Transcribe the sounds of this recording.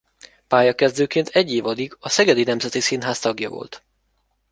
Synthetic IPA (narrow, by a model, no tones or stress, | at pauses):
paːjɒkɛzd̪øːkeːnt̪ʰɛɟːeːvɒd̪iɡɒsɛɡɛd̪inɛmzɛt̪isinɦaːst̪ɒɡjɒ̰vo̰lt̪